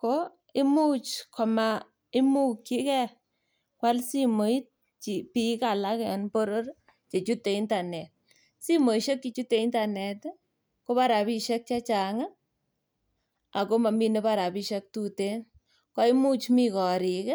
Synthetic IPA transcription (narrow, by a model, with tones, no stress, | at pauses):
ko˦ | i˦mu˦t͡ʃkʰɔ˨ma˨ | i˦mu˦kt͡ʃi˦kɛ˦ | kwa˦lsi˦mo˨i˦t̚ | t͡ʃi˨pi˦ka˨la˦kɛɔ˨npo˦ɾo˦r | t͡ʃe˨t͡ʃu˦tːe˨i˦nta˨nɛ˨t̚ | si˦mo˨i˨ʃe˦kːi˦t͡ʃu˦tːe˨i˦nta˨nɛ˨t | ko˦pa˦ɾa˨pi˦ʃe˦k̚t͡ʃa˦t͡ʃa˨ŋa˦ | a˨ko˦ma˨mi˦ne˦pa˦ɾa˨pi˦ʃe˦k̚tu˦te˦n | kɔ˦i˦mu˦t͡ʃmi˦kɔ˨ɾi˨k